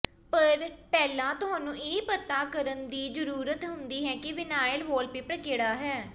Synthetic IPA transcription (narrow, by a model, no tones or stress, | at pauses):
pəɾpɛːlãːt̪ʊɦaːnũːʔeːpət̪aːkəɾənd̪iːd͡ʒəɾuːɾət̪ɦʊ̃nd̪iːɦɛːkɪʋɪnaːjəlʋoːlpeːpəɾkeːɽaːɦɛː